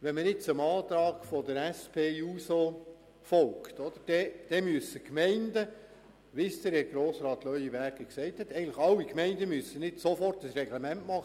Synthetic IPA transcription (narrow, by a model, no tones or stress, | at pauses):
ʋɛnmənɪt̚t͡sʊmɑːt̪ɾɑːɡfɔdəɾæspʰeːuːso | fɔlktɔd̪əɾd̥ɛd̥ɛmyəsəkmɛɪndə | ʋɪsd̪̥əɾɛɡ̥ɾoːsɾɑːt̪lœʏjiʋæɾɡ̥əksɛɪthɛt̪ːɛɪɡəŋ̩ntləχɑlːikmɛɪndəmyəsənɪdsofɔrtəsrɛɡlemæntmɑχ